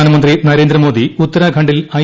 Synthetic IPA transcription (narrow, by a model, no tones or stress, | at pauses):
aːnɐmɐnd̪rinɐɾe̞ːnd̪rɐmo̞ːd̪iut̪ːɐɾaːɡʰʱɐɳɖilɐ